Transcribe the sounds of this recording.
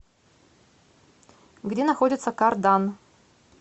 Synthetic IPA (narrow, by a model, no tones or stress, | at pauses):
ɡdʲenɐxodʲɪt̪səkɑrd̪ɑn